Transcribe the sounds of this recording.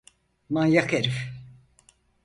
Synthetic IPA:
manjakeɾif

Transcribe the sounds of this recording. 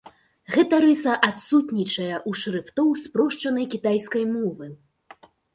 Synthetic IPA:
ɣɛt̪ɐɾɨsɐʔat̪sut̪nʲit͡ʂɐjɐʔuʂrɨft̪ɔwspɾɔʂt͡ʂɐnɐjkʲit̪ajskɐjmɔvɨ

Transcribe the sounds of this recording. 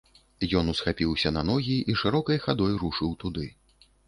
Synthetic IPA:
jɔnusxapʲiwsʲɐnanɔɣʲiʔiʂɨɾɔkɐjxad̪ɔjɾuʂɨwt̪ud̪ɨ

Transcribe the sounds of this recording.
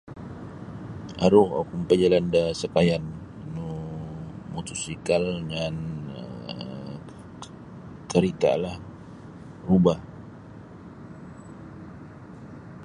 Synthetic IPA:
ʔaɾuha̰wkumpad͡ʒalandasəkajanː | u | mut̪usikalŋan | kəɾit̪a̰lah | rubah

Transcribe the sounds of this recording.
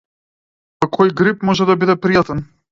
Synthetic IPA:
pakʰɔjɡɾipmɔʒɛd̪abid̪ɛpɾijat̪ɛn

